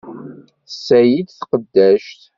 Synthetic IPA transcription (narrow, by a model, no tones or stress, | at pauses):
θsːæjid̪θqəd̪ːæʃt̪